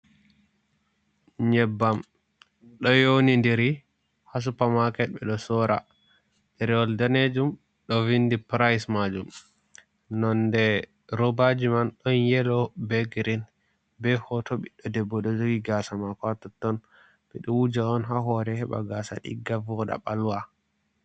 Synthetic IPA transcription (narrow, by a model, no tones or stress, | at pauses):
ɲɛbːam | ɗɔjonindɛɾi | has̬upamakɛɓɛɗɔsɔɾa̰ | ɗɛɾɛwɔldaned͡ʒum | ɗɔvindipɾajsmad͡ʒum | nɔndɛ | ɾɔbad͡ʒimanɗɔnjɛlɔbɛɡɾin | bɛhɔtoɓiɗɔdɛbːɔɗɔd͡ʒoɡiɡasamakɔatɔtːɔn | bɛɗɔwud͡ʒaɔnɦaɦɔɾɛhɛɓa̰ɡasa̰ɗḭɡavɔɗa̰ɓaluwa